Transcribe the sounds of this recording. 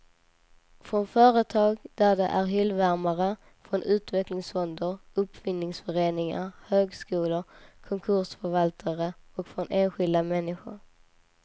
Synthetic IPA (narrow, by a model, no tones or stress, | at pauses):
fɾɔnfœːɾət̪ʰɑːɡd̪̥æɖɛʔæɾɦʏlvæɾmaɾə | fɾɔnʉ̟ːt̪vɛklɪŋsfɔnd̪əɾɵpfɪnːɪŋsfœɾeːnɪŋa̰ɾhøːɡskuːlʊɾkʰɔŋkʰɵʂfœɾvalt̪ʰaɾəɔkfɾɔneːnɧɪld̪amɛnːɪɧʊ̰ɾ